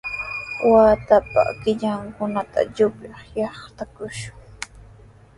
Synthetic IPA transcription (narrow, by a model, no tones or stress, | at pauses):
waːt̪apa̰kɪʎaŋkʊnat̪a̰ʎʊplɑχjɑχt̪akʊʃʊ̥ŋ